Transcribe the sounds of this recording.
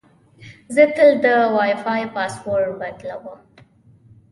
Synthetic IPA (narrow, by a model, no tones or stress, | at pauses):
zət̪əld̪əwɑjfɑjpɑswoɾɾbad̪lawəm